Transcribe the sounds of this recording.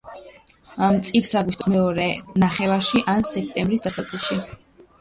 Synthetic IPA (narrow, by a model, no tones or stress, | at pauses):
amt̪sʼipʰsaɡwist̪ʼɔmɛɔɾɛnaχɛvaʃiʔansɛk̚ʰt̪ʼɛmbɾisd̪asat̪sʼqiʃi